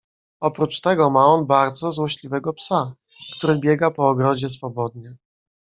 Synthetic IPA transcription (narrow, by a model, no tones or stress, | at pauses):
ɔpɾut͡ʂt̪ɛɡɔmaɔnbaɾd̪zɔzwɔɕlʲivɛɡɔpsa | kt̪uɾɘbʲjɛɡapɔːɡɾɔd͡ʑɛsfɔbɔd̪̚ɲɛ